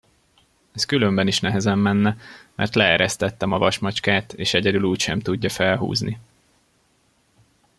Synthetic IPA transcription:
ɛskylømbɛniʃnɛɦɛzɛmːɛnːɛmʔɛ̰rt̪lɛɛɾɛst̪ɛt̪ːɛmɒvɒʃmɒt͡ʃkaːt̪eːʃɛɟɛd̪yluːcʃɛmt̪uɟːɒfɛlɦṵːznʔi

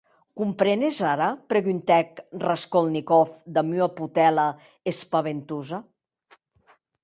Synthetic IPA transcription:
kumpɾɛnezaɾapɾeɣynt̪ɛkraskolnikɔfd̪amyaput̪ɛla | espaβent̪uza

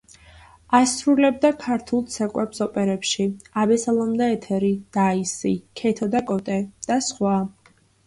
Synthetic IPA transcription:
asɾulɛb̚d̪akʰaɾt̪ʰulˠt̪sʰɛkʼwɛpsɔpʼɛɾɛpʃiabɛsalˠɔmd̪aɛt̪ʰɛɾid̪̥aisikʰɛt̪ʰɔd̪akʼɔt̪ʼɛd̪̥asχwa

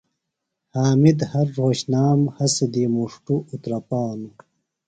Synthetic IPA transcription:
haːmid̪hɐɾːoːɕnaːmhɐsid̪imuʂʈuut̪ɾɐpaːnu

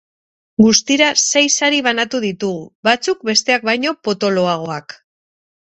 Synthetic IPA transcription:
ɡust̪iɾase̞jsaɾiβ̞anat̪uðit̪uɣubat͡suk̚be̞st̪e̞ak̚bajɲo̞po̞t̪o̞lo̞aɣ̞o̞ak

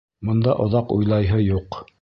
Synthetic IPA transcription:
mŏnd̪ɑʔŏðɑqujlˠɑjɦɤjuq

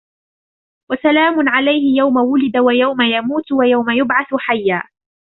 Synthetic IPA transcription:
wasalaːmʊnʕalajhɪjawmawʊlɪd̪awajawmajamuːt̪wajawmajʊbʕaθħajːaː

